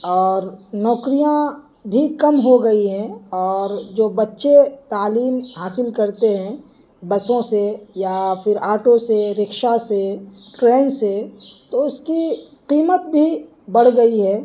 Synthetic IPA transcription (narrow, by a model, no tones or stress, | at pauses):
ɔːɾnɔːkɾijã | bʱikɐmɦoɡɐiɦɛ̃ɔːɾd͡ʒoːbɐtːʃet̪aːliːmɦaːsɪlkɐɾt̪eɦɛ̃ | bɐsõsejapʰɪɾaːɾʈõseɾɪkʃaseʈɾẽːnset̪oʊski | qiːmət̪̚bʱi | bɐɽ̤ɡɐiɦɛː